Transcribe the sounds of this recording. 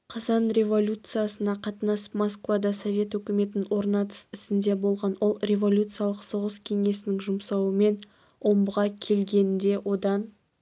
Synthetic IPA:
qʰɑzɑnɾʲe̞vo̞lʲut̪sɨjasənɑqʰɑt̪ənɑsmoskvad̪ɑso̞vʲe̞t̪wɵkʲɪme̞t̪nɪnwo̞ɾnɑt̪ə̥sɪsɪnd̪e̞bo̞lˠʁɑnwo̞lˠrʲe̞vo̞lʲut̪sɨjalˠəqso̞ʁəskʲʰe̞ŋe̞sɪnɪŋʒʊmsɑwəme̞n | wo̞mbəʁɑkʲʰe̞lɡʲe̞nɪnd̪e̞wʔo̞d̪ɑn

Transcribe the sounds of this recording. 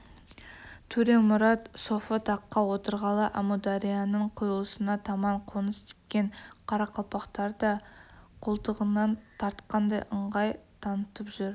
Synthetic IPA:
t̪ʰʉɾemʊɾɑt̪so̞fət̪ʰɑqːɑwo̞t̪əɾʁɑlˠəʔamud̪ɑɾijɑnəɴqʰʊjəlˠəsənɑt̪ʰɑmɑɴqʰonəst̪ʰe̥p̚kʲeɴqʰɑɾɑqʰɑlˠpɑqt̪ɑɾd̪ɑqʰolˠt̪əʁənɑnt̪ʰɑɾt̪qɑnd̪ɑjʔəɴʁɑjt̪ʰɑnət̪əpʒʏɾ

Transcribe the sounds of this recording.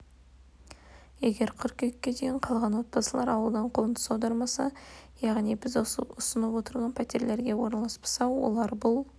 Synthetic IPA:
je̞ɡʲe̞ɾqʰʏɾkʲekʲːe̞d̪ejɪɴqʰɑlˠʁɑnwo̞t̪̚pɑsəlˠɑɾɑwəlˠd̪ɑɴqʰont̪ə̥sɑwd̪ɑɾmɑsɑjɑʁnijbɪzʊsənəpwo̞t̪əɾʁɑnpʰæt̪e̞ɾle̞ɾɡʲe̞woɾnɑlˠɑspə̥sɑwwo̰lˠɑɾbʊlˠ

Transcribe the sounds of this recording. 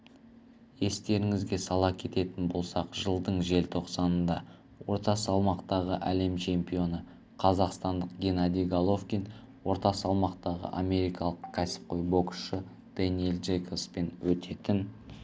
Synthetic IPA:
je̞st̪e̞ɾɪŋɪzɡʲe̞sɑlˠɑkʲʰe̞t̪e̞t̪ɪnbo̞lˠsɑqʒ̥əlˠd̪əɴʒe̞lt̪ʰo̞qsɑnənd̪ɑ | wo̞ɾt̪ɑsɑlˠmɑqt̪ɑʁəʔæle̞mt͡ʃʰe̞mpijo̞nə | qʰɑzɑqst̪ɑnd̪əqɡʲe̞nad̪ijɡalˠo̞fkʲin | wo̞ɾt̪ɑsɑlˠmɑqt̪ɑʁə̰ʔamʲe̞ɾijkɑlˠəqkʲʰæsɪ̥p̚qo̞jbo̞kʃə | d̪̥enielˠd̪ʒejkospe̞nwɵt̪ʰe̞t̪ɪn

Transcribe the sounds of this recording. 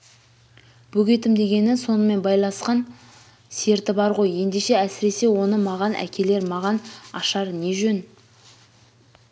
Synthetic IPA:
b̥ɵɡʲe̞t̪ɪmd̪e̞ɡʲe̞nɪnso̞nəme̞nbɑjlˠɑnsqɑn | se̞ɾt̪ɪbɑɾʁo̞je̞nd̪e̞ʃe̞æsɪɾe̞se̞wo̞nəmɑʁɑnʔæ̰kʲe̞le̞ɾmɑʁɑnɑʃɑɾne̞ʒɵn

